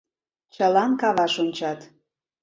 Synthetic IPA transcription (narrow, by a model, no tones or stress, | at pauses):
t͡ɕəlɑnkɑβɑʃonʲt͡ɕɑt̪